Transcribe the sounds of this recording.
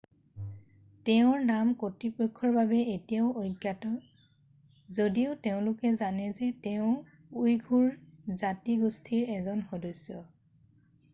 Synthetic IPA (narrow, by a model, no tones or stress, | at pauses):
tɛʊ̃ɹnamkotipɔkʰːɔɹbabɛetijaʊʔojɡjatɔ | zodiʊteʊ̃lʊkɛzanɛzɛtɛʊ̃ | ujɡʱuɹzatiɡostʰiɹɛzɔnxɔdɔsɔ